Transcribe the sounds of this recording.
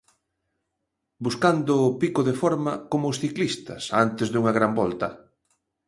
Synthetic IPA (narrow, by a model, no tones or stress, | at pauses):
buskand̪ʊːpikʊðefɔɾmɐkomʊsθiklist̪ɐ̰sant̪ɪzðuŋɐɣɾambɔlt̪ɐ